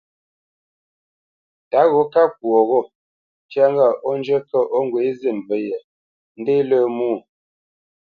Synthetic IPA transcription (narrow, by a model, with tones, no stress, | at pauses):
ta˨˦ɣo˨˦ka˦k̚wo˨ɣo˦˨ | t͡ʃja˦ŋ˦ɡa˦˨ʔo˦n˦d͡ʒə˦kə˦ʔo˦ŋ˦ɡwe˨˦ze˦˨nvə˦jə˨ | n̩˦de˦lə˦muː˦˨